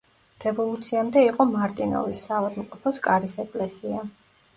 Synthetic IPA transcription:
ɾɛvɔlˠut̪sʰiamd̪ɛiqʼɔmaɾt̪ʼinɔ̰visːavad̪mqʼɔpʰɔskʼaɾisɛkʼlɛsia

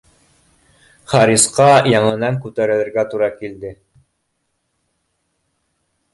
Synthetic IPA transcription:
χɑɾisqɑjɑɴɤ̆nɑŋkʉt̪æɾɘ̆ðɘ̆ɾɡæt̪uɾɑkild̪ɘ

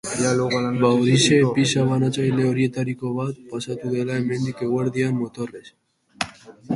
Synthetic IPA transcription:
albawɾisepisaβanat͡sajle̞o̞ɾie̞t̪aɾiko̞βat̪̚pasat̪uðe̞lae̞me̞nd̪ike̞ɣwaɾðiammo̞t̪o̞res

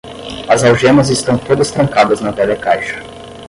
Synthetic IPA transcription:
azawʒɛmɐzist̪ɐ̃w̃t̪od̪ɐst̪ɾɐ̃ŋkad̪ɐznɐvɛlɛkajʃɐ̥

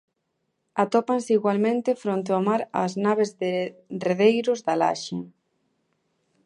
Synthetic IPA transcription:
at̪opanseiɣwalmẽnt̪ɪfɾont̪̬eomaɾa̰ːznaβ̞ezðereðejɾʊzðala̰ʃeŋ

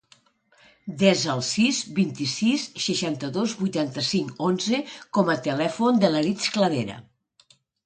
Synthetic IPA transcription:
d̪ɛzəlˠsizbint̪isisːəʃant̪əðozβujt̪ant̪əsiŋkonzəkɔmət̪əlɛfond̪ələɾit͡skləðeɾə̰

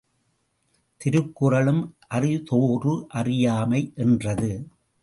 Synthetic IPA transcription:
t̪ɪɾɯkːɯrɐɭɯmʔɐrɪt̪oːrɯʔɐrɪjaːmɐɪʔɛndrɐðɯ

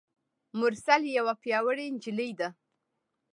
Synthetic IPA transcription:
mʊɾsaljawapjɑwəɽend͡ʒɪləjd̪a

